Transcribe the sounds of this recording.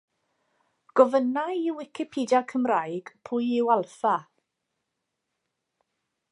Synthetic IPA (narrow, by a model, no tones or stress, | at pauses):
ɡ̥ɔvənajɪwɪkʰɪpʰiːdjakʰəmrajɡ̥pʰʊjɪwalˠfa